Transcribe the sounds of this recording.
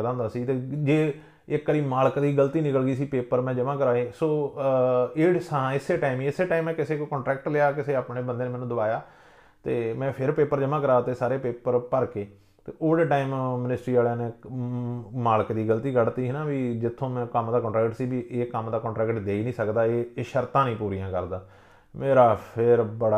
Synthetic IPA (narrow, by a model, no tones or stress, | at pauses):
d̪ãːnd̪aːsiːt̪eːd͡ʒeː | ɪkːəɾiːmaːlkd̪iːɡəlt̪iːnɪkəlɡiːsiːpeːpəɾmɛ̃ːd͡ʒəʋãːkəɾaːeːsoː | eːsãɪsːeːʈaːɪmiːɪsːeːʈaːimɛ̃ːkɪseːkoːkɔːɳʈɾɛːkʈleaːkɪseːaːpneːbənd̪eːneːmɛːnũːd̪əʋaːjaː | t̪eːmɛ̃ːpʰɪɾpeːpəɾd͡ʒəmãːk̬əɾaːt̪eːsaːɾeːpeːpəɾpəɾkeː | t̪eːʔoːɽeːʈaːimmɪnɪsʈɾiːaːleneː | maːlkd̪iːɡələt̪iːɡəɽt̪iːɦɪnãːʋiːd͡ʒɪt̪ʰːõːmɛ̃ːkəmd̪aːkɔ̃ːɳʈɾɛːkʈsiːbiːʔeːkəmd̪aːkɔ̃ːɳʈɾɛːkʈd̪eːiːnĩːsəkd̪aːeːʃəɾt̪ãːnĩːpuːɾijãːkəɾd̪aː | meːɾaːpʰɪɾbəɽaː